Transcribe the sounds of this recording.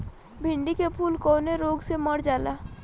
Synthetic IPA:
bʱɪ̃ɳɖikepʰuːlkoːneɾoːɡseməɽd͡ʒaːlaː

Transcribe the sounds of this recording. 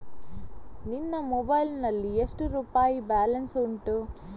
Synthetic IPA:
ninːɐmɔbɐjlnɐlːiesʈuɾuːpaːjibaːlɐnsuɳʈuː

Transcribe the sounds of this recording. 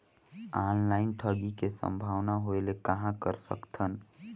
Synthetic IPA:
anlaɪnʈʰəɡikesə̰̃mbʱaːʋnaɦoelekəɦãkəɾsə̰kt̪ʰən

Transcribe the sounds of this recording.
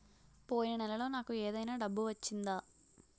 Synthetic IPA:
po̞ːjinɐnɛlɐlo̞ːnaːkueːd̪ɐjnaːɖɐbːuʋɐt͡ʃːind̪aː

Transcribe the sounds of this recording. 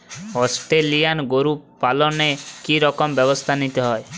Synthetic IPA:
ɦɔsʈelijanɡoɾuppːalɔnekiɾɔkɔmbjɔbɔst̪ʰanit̪ɔɦɔe

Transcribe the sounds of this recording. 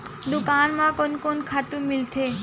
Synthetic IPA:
d̪ʊkaːnmãkonkonkʰaːt̪ũmɪlt̪ʰeː

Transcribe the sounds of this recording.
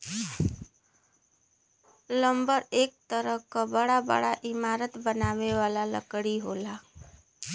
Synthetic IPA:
ləmbəɾek̚t̪əɾəɦkəbəɽabə̰ɽaʔɪmaɾət̪bənaʋeʋalalə̰kɽiɦola

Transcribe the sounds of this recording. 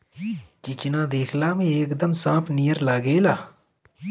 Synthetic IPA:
t͡ʃɪt͡ʃnãːd̪eːkʰlaːmĩːeːkd̪əmsãːpʰnijəɾlaːɡeːlaː

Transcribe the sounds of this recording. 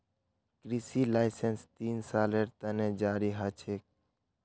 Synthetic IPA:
kɾisilaɪsenst̪insaːleɾt̪əned͡ʒaːɾiɦət͡ʃʰek̚

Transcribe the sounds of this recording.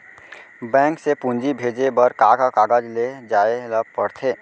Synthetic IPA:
bɛ̃ːŋksepũnd͡ʒibʱeːd͡ʒebəɾkakakaɡəd͡ʒled͡ʒaːeləpəɽt̪ʰeː

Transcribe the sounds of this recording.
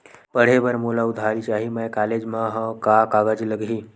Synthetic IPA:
pəɽ̤ebəɾmolaud̪ʱalit͡ʃaɦimajkaled͡ʒmaɦãkakaɡad͡ʒiləɡɦiː

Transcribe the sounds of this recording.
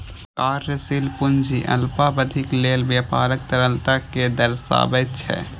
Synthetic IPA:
kaːɾjəsilpʊnd͡ʒiʔə̰lpabəd̪ʱɪkleːlbjaːpa̰ːɾək̚t̪əɾəlt̪aked̪əɾsa̰ːbət̪t͡ʃʰɛ̰

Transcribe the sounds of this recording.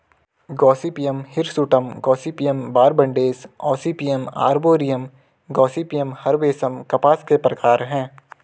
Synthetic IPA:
ɡɔːsipijəmhɪɾsuʈəmɡɔːsipijəmbaːɾbɐ̃ɳɖeːsɔːsipijəma̰ːɾboːɾijəm | ɡɔːsiːpijəmhɐɾbeːsəmkɐpaːskepɾɐkaːɾɦɛ̃ː

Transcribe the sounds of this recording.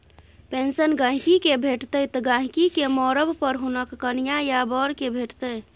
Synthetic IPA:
pensənɡãɦikikebʱeʈt̪ət̪ɔɡãɦikikemɔɾəbpəɾɦunəkːənijajabɔɾkebʱeʈt̪ə

